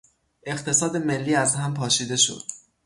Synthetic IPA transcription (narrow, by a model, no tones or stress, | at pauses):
ʔe̞qt̪ʰe̞sɒːd̪e̞me̞lːiːæzɦæmpʰɒːʃiːd̪e̞ʃo̞̰d̪̥